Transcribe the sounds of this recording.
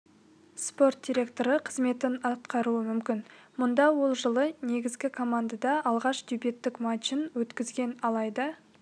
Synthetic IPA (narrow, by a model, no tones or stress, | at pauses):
spo̞rt̪̚d̪ʲijɾʲe̞kt̪o̞ɾəqʰəzme̞t̪ɪnɑt̪̚qɑɾuəmʏmkʲɪnmʊnd̪ɑwo̞lˠʒəlˠəne̞ɡʲɪzɡʲɪkʰo̞mand̪ad̪ɑɑlˠʁɑʃd̪ubet̪ːɪkmɑʃinwɵt̪kʲɪzɡʲe̞nɑlˠɑjd̪ə